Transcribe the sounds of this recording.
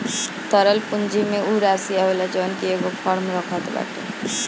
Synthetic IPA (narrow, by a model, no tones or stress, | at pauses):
t̪əɾəlpʊnd͡ʒimẽuːɾaːsijaolat͡ʃəːnkieɡopʰɔːɾmɾəkʰət̪ba̰ːʈʰḛː